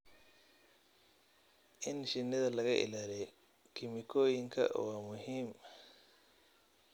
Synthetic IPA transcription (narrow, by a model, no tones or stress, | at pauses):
ʔɪnʃɪnːɪðɐlɐɣɐʔɪ̰laːlɛ | kʰɪmɪkʰɔːjɪŋkʰɐ̰waːmʊɦiːm